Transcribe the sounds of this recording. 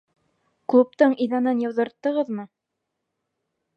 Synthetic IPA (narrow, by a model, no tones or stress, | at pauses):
klˠup̚t̪ɤɴijðɑnɤnjɤ̆wðɤ̆ɾt̪ːɤ̆ʁɤðmɤ